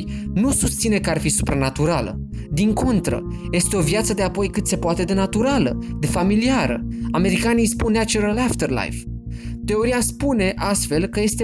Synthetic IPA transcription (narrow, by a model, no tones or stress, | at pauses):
jnusust̪sine̞kəarfisupɾanat̪uɾalə̰ | d̪iŋko̞nt̪ɾə̰je̞st̪eo̞vjat̪səd̪e̞apo̞jkɨt̪se̞poat̪e̞d̪e̞nat̪uɾaləd̪e̞familiaɾə̰ame̞ɾikanijspunːat͡ʃuɾalaft̪erla̰jft̪e̞o̞ɾiaspune̞ʔast̪fe̞lkəje̞st̪e